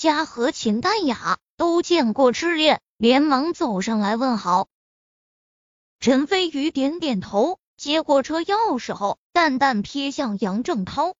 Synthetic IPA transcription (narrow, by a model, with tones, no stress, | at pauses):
t͡ɕja˥xɤ˧˥t͡ɕʰi˧˥nt̪a˥˩nja˨˩˦t̪o˥ʊt͡ɕjɛ˥˧nkwɔ˥˩ʈ͡ʂɻ̩˥ljɛ˥˩n | ljɛ˧˥nmɑ˧˥ŋt͡so˨˩ʊʂɑ˥˩ŋla˧˥ɪwə˥˩nxɑ˧˥ʊ | ʈ͡ʂʰə˧˥nfe˥ɪy˧˥t̪jɛ˧˥nt̪jɛ˨˩nt̪ʰo˧˥ʊ | t͡ɕjɛ˧˥kwɔ˨˩ʈ͡ʂʰɤ˥jɑ˥ʊ˥˩ʂɻ̩˧˥xo˥˧ʊt̪a˥˧nt̪a˥˩npʰɛ˥ɕjɑ˥˩ŋjɑ˧˥ŋʈ͡ʂɤ˥˩ŋt̪ʰɑ˥ʊ